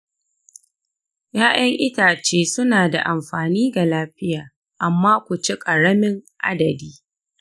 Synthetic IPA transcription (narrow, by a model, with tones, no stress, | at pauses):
jaː˦ʔɐ˦ŋʔɪ˦taː˨t͡ʃeː˦sʊ˦naː˨da˨ʔa˨mɸaː˨niː˦ɡa˨laː˦ɸɪ˦jaː˨ | ʔa˨mːaː˦kʷʊ˨t͡ʃi˦kʼɐ˨ɽɐ˦mɪ˦ŋʔa̰˦dɐ˨diː˦